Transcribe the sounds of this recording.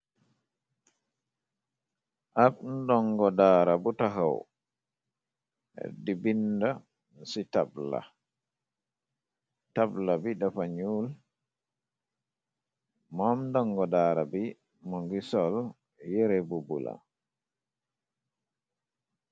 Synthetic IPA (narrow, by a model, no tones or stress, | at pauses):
ʔabndɔŋɡɔdaːɾabutaɦaw | ɛ̰dibinda | sitabla̰ | tablabiɗafaɲul | mɔmdɔŋɡɔdaɾabi | mɔŋɡisɔl | jɛɾɛbubṵla̰